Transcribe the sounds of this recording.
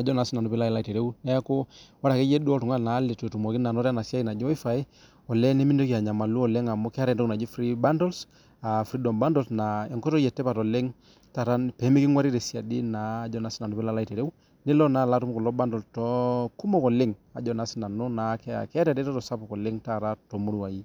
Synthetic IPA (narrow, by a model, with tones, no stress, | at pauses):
a˨d͡ʒɔ˦na˨si˦na˨nu˦pi˦la˦i˦la˦i˨te˨ɾe˦wnɛ˦ko˦wa˦ɾa˨ke˦je˦du˦ɔ˦tu˨ŋa˦lna˨˦le˨to˨tu˨mɔ˨ki˦na˨nɔ˦ɾa˦na˨si˦a˦ji˦na˨d͡ʒɔ˦i˦fa˨i˦ | ɔ˨lɛ˦nɛ˦mi˦ndo˦ki˨a˨ɲa˨ma˨lu˦ɔ˨le˦ŋa˨mɔ˦kɛ˦a˦ɾɛ˨dɔ˦˨na˨d͡ʒi˦fɾi˦ba˦ndɔ˦ls | a˨fɾi˦dɔ˨mba˦ndɔ˨lsna˨ɛ˨ŋkɔ˦tɔ˦jɛ˨tːɛ˦pa˨tɔ˨le˦ŋ | ta˨ɾa˦npɛ˨˦mi˦ki˦ŋwa˦ɾi˦ɾe˨si˦a˨di˦na˨˦d͡ʒɔ˨na˨si˦na˨nu˨pi˦la˦la˦i˨te˨ɾe˦wu˦ | ni˦lɔ˦na˨˦˨la˦tu˦m˦kɔ˨lɔ˦ba˦ndɔ˨ltɔ˦ku˦mɔ˦˨kɔ˨lɪ˦ŋa̰˨d͡ʒɔ˨na˨˦si˦na˨nɔ˦na˨˦kɛ˦a̰˨kɛ˦a˦ɾɛ˨dɛ˦tɔ˦tɔ˨sa˦pɔ˨kɔ˨lɪ˦ŋta˦˨ɾa˦tɔ˨mu˦ɾu˨a˨ji˦